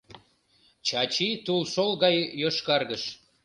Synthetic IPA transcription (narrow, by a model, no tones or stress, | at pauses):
t͡ɕɑt͡ɕit̪ulʃolɣɑjːoʃkɑrɣəʃ